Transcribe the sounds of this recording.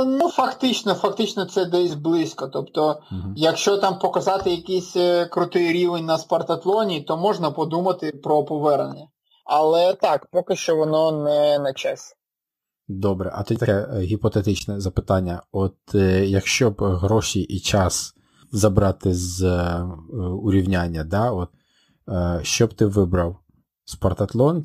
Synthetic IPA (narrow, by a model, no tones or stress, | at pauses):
nufɐkt̪ɪt͡ʃnɔfɐk̚t̪ɪt͡ʃnɔt̪sɛd̪ɛsʲblˠɪsʲkɔt̪ɔpt̪ɔɦjɐkʃt͡ʃɔt̪ɑmpɔkɐzɑt̪ɪjɐkisʲkɾʊt̪ɪjɾʲiʋenʲnɐspɐrt̪ɐt̪lˠɔnʲit̪ɔmɔʒnɐpɔd̪umɐt̪ɪpɾɔpɔʋɛrnenʲːɐ | ɐlˠɛt̪ɑkpɔkɪʃt͡ʃɔʋɔnɔnɛnɐt͡ʃɛsʲ | d̪ɔbɾɛ̰ʔɐt̪ut̪ʲt̪ɐkɛɦʲipɔt̪et̪ɪt͡ʃnɛzɐpɪt̪ɑnʲːɐɔt̪jɐkʃt͡ʃɔbɦɾɔʃʲiʔit͡ʃɑs | zɐbɾɑt̪ɪz | ʊɾʲiwnʲanʲːɐd̪ɑɔt̪̚ | ʃt͡ʃɔbt̪ɪʋɪbɾɐw | spɐrt̪ɐt̪lˠɔn